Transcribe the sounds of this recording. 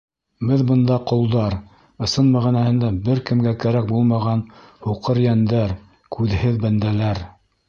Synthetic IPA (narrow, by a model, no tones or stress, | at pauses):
bɘðbɤ̆nd̪ɑqŏlˠd̪ɑɾ | ɤ̆sɤnmæʁinæhɘ̆nd̪æbɘɾkɘ̆mɡækæɾæk̚bulˠmɑʁɑnhuqɤɾjænd̪æɾ | kʰʉðhɘðbænd̪ælæɾ